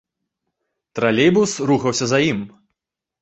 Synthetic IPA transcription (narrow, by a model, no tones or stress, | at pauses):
t̪ɾalʲejbusruxɐwsʲɐzajim